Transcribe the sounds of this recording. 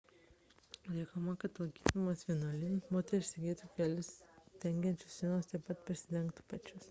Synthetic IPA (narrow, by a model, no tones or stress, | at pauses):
lʲɛɪkomɐkɐt̪lˠɐkʲiːtsʲmɐsfʲiɛnɐlʲɪmoːt̪ʲɛɾʲɪʃʲsʲɪɡʲeːt̪ukʲɛlʲʊst̪ʲɛŋʲɡʲɛnʲt͡ʃʲʊssʲiɛnoːst̪ʲɛpɐt̪̚pʲɾʲɪsʲɪd̪ʲɛŋk̚t̪u̥pɐt͡ʃʲʊs